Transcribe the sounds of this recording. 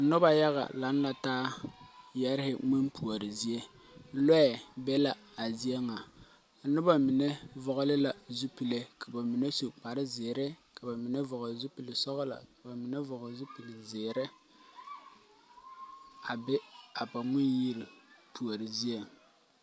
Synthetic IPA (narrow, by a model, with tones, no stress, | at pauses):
nʊ˦ba˨ja˦ɣa̰˨la˨˦n˦la˨taː˦ | jɛ˦ɾɪ˦hɪ˨mi˦npʰu˨ɔ˨ɾɪ˨zi˦e˦ | lɛ˦ɛ˨bɛ˦la˨ | a˨zi˦ɛ˦ŋa˨ | nʊ˦ba˨mɪ˨ne˦vɔ˨ɣɔ˦lɪ˦la˨zu˦pi˨le˨kʰa˨ba˨mɪ˨ne˦su˨k͡pa˨ɾɪ˦zɪː˨ɾɛ˦ka˨ba˨mɪ˨nɛ˦vɔ˨ɣɔ˨zu˦pi˨lɪ˨sɔ˦ɣɔ˦la̰˨ba˨mɪ˨nɛ˦vɔ˨ɣɔ˨zu˦pi˨lɪ˨zɪː˨ɾɛ˦ | a˨bɪ˦a˨ba˨mi˦nji˦ɾi˨pu˨o˨ɾɪ˨zi˦e˨